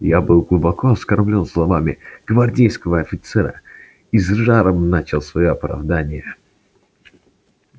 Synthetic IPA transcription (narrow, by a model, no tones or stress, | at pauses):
jabɨlˠɡlˠʊbɐkʰoɐskɐrmlʲonslˠɐmamʲɪɡ̥vɐrdʲejskəvəɐfʲɪt̪sɛɾə̰ | izʐaɾəmnat͡ɕɪlˠsvɐjoɐpɾɐ̰vd̪anʲɪjə